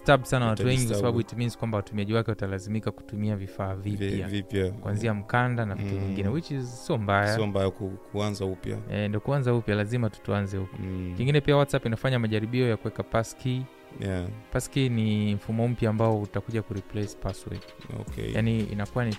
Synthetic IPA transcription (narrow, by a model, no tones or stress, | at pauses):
stabsanawwatuwɛŋɡikwasaɓaɓuituminz̥kwambawatumiaʄiwakɛwatalazimikaku̥tumiavifaːvijavipjakuanziam̩kandanavituviŋɡinɛwit͡ʃisiɔmbajaiɔmbajakukʰuanzaupja̰ɛndiɔkuanzaupjalazimatu̥tuanzɛhukɔ̥kiŋɡinɛpiawatsapinafaɲamaʄaɾiɓiɔjakuwɛkapaski | japaskiniɱ̩fumɔm̩pjaːmbaɔutakuʄakuɾiplɛspaswɛ̰to̰kɛ̰ja̰niḭnakuwani